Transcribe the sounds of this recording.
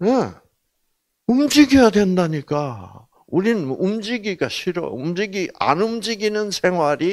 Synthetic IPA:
e | umd͡ʑiɡijadwe̞ndaɲik͈a | uɾinɯnumd͡ʑiɡiɡaɕʰiɾʌ̰umd͡ʑiɡiʔa̰nɯmd͡ʑiɡinɯnsʰe̞ŋɦwaɾi

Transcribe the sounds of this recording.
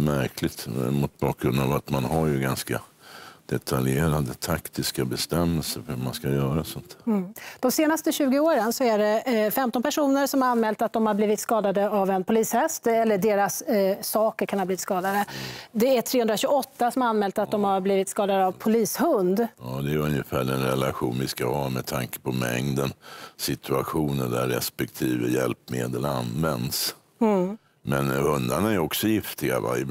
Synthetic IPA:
mæɾkʰlɪt̪mʊt̪̚bɑ̰ːk̚ɡɾɵnd̪avat̪manhaɾjɵɡanska̰d̪̥ɛt̪ʰaljeːɾad̪ət̪ʰakt̪ɪskabɛst̪ɛmːɛlsəɾhʉma̰nskajœːɾasɔnt̪ʰhd̪̥ɔmseːnast̪əɕʉ̟ːɡɪoːɾənsɔæɖɛfɛmt̪ɔnpʰæʂuːnəɾsɔmhaɾanmɛːlt̪at̪̚d̪ɔmhaɾbliːvɪt̪skɑːd̪ad̪əavɛnpʰʊliːshɛst̪ɛlːəɖeːɾasːɑːkəɾkʰanhɑbliːvɪt̪skɑːd̪ad̪əd̪ɛæʈʰɾeːɵnd̪ɾaɕʉɡɔt̪ːasɔmaanːmɛːlt̪at̪̚d̪ɔmhaɾbliːvɪt̪skɑːd̪ad̪əavpʰʊliːshɵnd̪jɑːd̪ɛɾɵnjəfæːɖɛnɾɛlaɧuːnvɪskahɑːmɛt̪ʰaŋkə̥pʰɔmɛ̰ŋd̪ənsɪt̪ʰɵaɧuːnəɖæɾːɛ̰spɛk̚t̪ʰiːvəjɛlpmeːd̪əla̰nvɛnd̪s | mɛnhɵnd̪anaɛɾɔksɔjɪft̪ɪɡa̰va̰j

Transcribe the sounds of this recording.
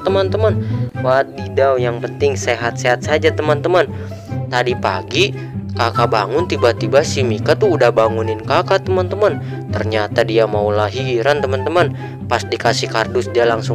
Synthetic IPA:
t̪əmant̪əmanfat̪̚didawjaŋpənt̪ɪŋseɦat̪̚seɦat̪̚sad͡ʒat̪əmant̪əman | t̪adipa̰ɡi | kakabaŋʊnt̪ibat̪ibasimikat̪uudahbaŋunɪnkakat̪əmant̪əman | t̪ərɲat̪adiamaulaɦiːɾant̪əmant̪əman | pasdikasɪhkardʊsdialaŋsʊŋ

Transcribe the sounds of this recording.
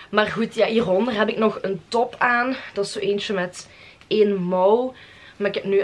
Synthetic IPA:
maːrɣutjaːiːrɔndərɦɛpɪknɔxəntɔpaːnd̥ɑsoːʔeːnt͡ʃəmɛt | eːnmɔw | maːrɪkɛpny

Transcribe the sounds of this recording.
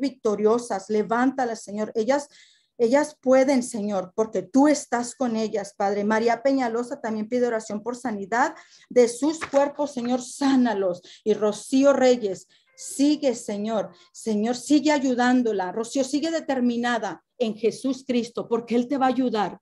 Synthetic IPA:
βik̚t̪o̞ɾjo̞sasle̞βant̪alaseɲo̞ɾe̞ʝas | e̞ʝaspwe̞ðe̞nse̞ɲo̞ɾpo̞ɾke̞t̪ue̞st̪asko̞ne̞ʝaspaðɾe̞maɾiape̞ɲalo̞sat̪ambje̞mpiðe̞o̞ɾasjo̞mpo̞ɾsaniðað | d̪e̞suskwe̞ɾpo̞sːe̞ɲo̞ɾsanalo̞siro̞sio̞re̞ʝe̞sː | iɣe̞se̞ɲo̞ɾ | se̞ɲo̞ɾsiɣe̞aʝuðand̪o̞laro̞sio̞siɣe̞ðe̞t̪e̞ɾmĩnaða | e̞ŋxe̞suskɾist̪o̞po̞ɾke̞elt̪e̞βaːʝuðaɾ

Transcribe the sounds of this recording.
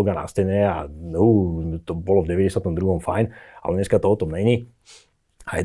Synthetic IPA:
lɡana̰stɛɲɛa̰nut̪ɔbɔlɔvɟɛʋɛɟɛsjat̪ɔmd̪ɾuɦɔmfajna̰lɛɲɛskat̪ɔɔt̪ɔmɲɛɲi | ajɛ̰

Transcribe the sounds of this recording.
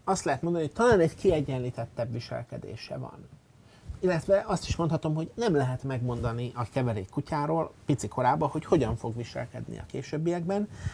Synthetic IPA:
ɒst̪lɛɦɛt̪mond̪ɒnioc̚t̪ɒlaːnɛɟkiɛɟːɛnliːt̪ɛt̪ːɛbʋiʃɛ̰lkɛ̰d̪ḛːʃɛ̰vɒ̰n | ilːɛt̪ʋɛʔɒst̪i̥ʃmo̞nt̪hɒt̪o̞mho̞ɟnɛmlɛɦɛt̪mɛɡmo̞nd̪ɒniʔɒkɛvɛɾeːkːucaːɾoːlpit̪siko̞ɾaːbːɒho̞cho̞ɟɒɱfo̞ɡʋiʃɛ̰lkɛ̰d̪nḭɒ̰keːʃøbːijɛɡbɛn

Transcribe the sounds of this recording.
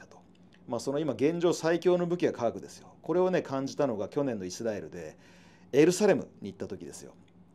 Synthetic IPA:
at̪o̥ | maːso̞no̞imaɡẽ̞ɲ̟d͡ʑo̞ːsaikʲo̞ːno̞bɯ̟kʲiɡakaβakɯ̟d̪e̞sɨ̥jo̞ko̞ɾe̞o̞ne̞kʰãɲ̟d͡ʑit̪ano̞ɡakʲo̞nenːo̞isɨɾae̞ɾɯ̟̰d̪e̞ | eɾɯ̟saɾe̞mɯ̟̰ɲ̟iːt̪ːat̪o̞kʲid̪e̞sɨ̥jo̞̰

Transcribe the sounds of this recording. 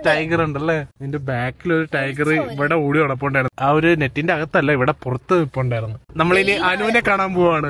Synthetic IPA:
ʈɐjɡɐruɳɖɐlːeendebaːkːilo̞ɾuʈɐjɡɐrɨiʋiɽeuːɽioɽɐp̬ːoːuɳɖaːjɾunːaːoɾune̞tːinde̞ɐɣɐt̪ːɨɐlːɐiʋiɽe̞purɐt̪ːɨipːoːuɳɖaːjiɾunːɨnɐmːɐɭiniʔɐnuːnekːaːɳaːmpoːʋaːɳɨ

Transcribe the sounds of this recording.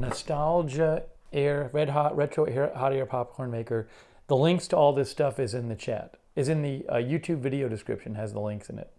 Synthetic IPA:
nɨstælˠd͡ʒɨɛɹɹɛd̚ɦɑʔɹɛtɹ̥oʊʔɛɹhɑɾɛɹpʰɑp̚kʰɔɹnmeɪkə˞ | ðəlɪ̃ŋkstʰəɔlˠðɪstʌfɨzɨ̃nðɨt͡ʃʰæ̰ɾ | ɨzɨ̃nðɨʌ̰jʉtʰʉbvɪɾioʊdɨskɹɪ̰pʃɨ̃nɨzðəlɪ̃ŋksɨ̃nɪ̰t̚

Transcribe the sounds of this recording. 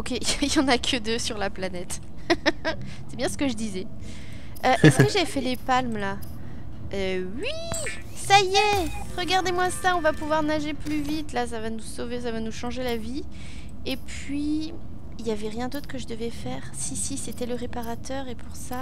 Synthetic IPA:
ɔkʲeijɑ̃nakʰəd̪əsyʁlaplanɛt̪ | sɛbjɛ̃sə̥kəʒəd̪izɛ | øʔɛskəʒafɛlepalmla | øwi | saje | ʁəɡaʁd̪emwasaɔ̃vapuvwaʁnaʒeplyvit̪las̬avanusoves̬avanuʃɑ̃ʒelavi | epɥi | iljavɛʁjɛ̃d̪ot̪χəkəʒəd̪əvɛfɛːʁsisiset̪ɛləʁepaʁat̪ʰœʁepʰuʁsa

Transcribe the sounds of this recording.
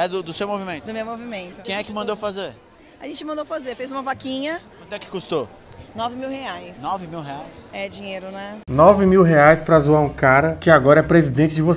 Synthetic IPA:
ɛd̪ʊd̪ʊsewmovimẽd̪ʊmewmovimẽnt̪ʊkẽj̃ɛkɪmɐ̃nd̪owfazeɾ | aʒẽnt͡ʃɪmɐ̃d̪owfazeɾfejzũmɐvakĩɲɐkɐ̃d̪ɛkɪ̥kust̪o | nɔvɪmiwheajsnɔvɪmiwɦeajsɛd͡ʒĩɲeɾʊnɛnɔvɪmiwɦeajspɾɐzuaũkaɾɐkɪaɡɔɾɐɛpɾezid̪ẽt͡ʃɪd͡ʒɪvos

